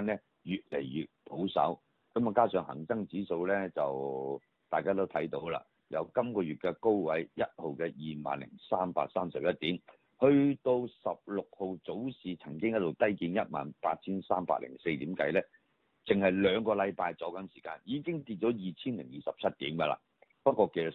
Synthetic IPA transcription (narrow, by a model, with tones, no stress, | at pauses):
a˧nɛ˥ | jyː˨t̚le˨˩jjyː˨t̚pʰo˨˥wsɐ̰˨˥w | kɐ˨˦ma˨kaː˥sœː˨ŋhɐ̰˨˩ŋsɐ˥ŋt͡siː˨˥so˧wlɛː˥t͡sɐ˨w | t̪aː˨˩jkaː˥t̪o˥wt̪ʰɐ˨˥jt̪o˨˧˥wla̰ː˧ | jɐ̰˨˧wkɐ˥mkɔː˧ɥyː˨˩t̚kɛ˧ko˥wwɐ˨˥jjɐ˥t̚ho˨wkɛ˧jiː˨ma̰ː˨nlɪ̰˨˩ŋsaː˥mpa̰ː˧k̚saː˥msɐ˨p̚jɐ˥t̚t̪iː˨˥m | hɵ˧ɥt̪o˧wsɐ˨p̚lʊ˨k̚ho˨wt͡so˨˥wsiː˨t͡sʰɐ˨˩ŋkɪ˥ŋjɐ˥tlo˨˩wt̪ɐ˥jkiː˧njɐ˥t̚ma̰ː˨npaː˧t̚t͡sʰiː˥nsaː˥mpa̰ː˧k̚lɪ̰˨˩ŋse˧jt̪iː˨˥mkɐ˧jlɛː˥ | t͡sɪ˨ŋhɐ˨jlœː˨˧ŋkɔː˧lɐ˨˧jpaː˧jt͡sɔ˨˥kɐ˨˥nsiː˨˩kaː˧njiː˨˧kɪ˥ŋt̪iː˧t̚t͡ʃɔ˨˥jiː˨t͡sʰiː˥nlɪ˨˩ŋjiː˨sɐ˨p̚t͡sʰɐ˥t̚t̪iː˨˥mɡɐ˧la̰ː˧ | pɐ˥t̚kːɔː˧ke˨˧jt͡sɐ˨